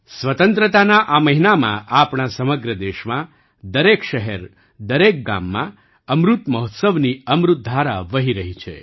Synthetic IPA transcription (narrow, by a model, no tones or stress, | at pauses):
sʋət̪ə̃nt̪ɾət̪anaʔaməɦinamã̰ʔapɳasəməɡɾəd̪eʃmã | d̪əɾekʃəɦɛɾ | d̪əɾek̚ɡa̰mːã̰ | əmɾut̪məɦɔt̪səʋniəmɾʊt̪̚d̪ʱaɾaʋəɦiɾəɦit͡ʃʰḛ